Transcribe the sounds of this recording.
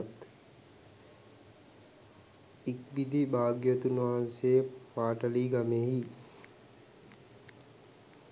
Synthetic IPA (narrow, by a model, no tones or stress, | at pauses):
t̪ | ik̚bid̪ibaːɡjot̪unʋaɦanseːpaːʈɐliːɡameːɦi